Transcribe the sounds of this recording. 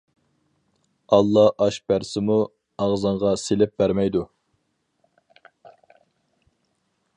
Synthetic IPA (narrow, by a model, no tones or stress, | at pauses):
ɑlˠːɑɑʃbæɾsɪmu | ɑʁzɑɴʁɑselɪp̚bæɾmɛjd̪u